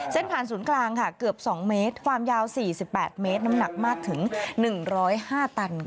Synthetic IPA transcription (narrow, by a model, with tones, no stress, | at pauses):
se˥˩npʰaː˨˩nsuː˩˦nklaː˧ŋkʰa˥˩kɯ˨˩əp̚sɔː˩˦ŋmeː˦˥t̪̚kʰwaː˧mjaː˦˥wsiː˨˩si˨˩pːɛː˨˩t̪̚meː˦˥t̪̚na˦˥mna˨˩k̚maː˥˩k̚t̪ʰɯ˩˦ŋnɯ˨˩ŋɾɔː˦˥jhaː˥˩t̪a˧n